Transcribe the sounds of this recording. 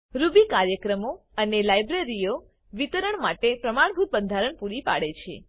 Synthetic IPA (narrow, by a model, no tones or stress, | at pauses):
ɾubikaɾjəkɾəmo | ənelajbɾeɾijo | ʋit̪əɾəɳmaʈepɾəmaɳ̃bʱut̪̚bənd̪ʱaɾəɳpuɾipa̰ɽet͡ʃʰḛ